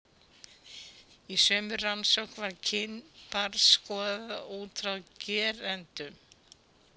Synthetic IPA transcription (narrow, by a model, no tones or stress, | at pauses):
isœːmʏransɔwhkvaɾcʰɪnpaɾskɔːðauːt̪ɾawcɛːɾɛnt̪ʏm